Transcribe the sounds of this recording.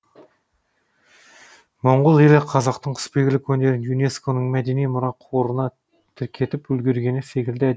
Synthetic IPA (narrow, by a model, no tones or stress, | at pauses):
moɴʁʊlˠjelɪqʰɑzɑqt̪əɴqʰʊ̥spe̞ɡʲɪlɪkʲwɵne̞ɾɪnjune̞sko̞nəɴmæd̪e̞nijmʊɾɑqʰoɾənɑ | t̪ʰɪɾkʲʰe̞t̪ɪpɵlɡʲe̞ɾɡʲe̞nɪse̞kʲɪld̪ɪæd̪